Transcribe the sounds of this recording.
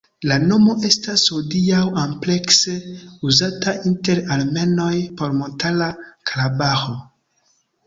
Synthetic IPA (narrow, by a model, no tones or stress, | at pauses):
lano̞mo̞ʔe̞stashodiawample̞kseuzataʔinte̞ɾalme̞no̞jpo̞ɾmontalakʰalabaxo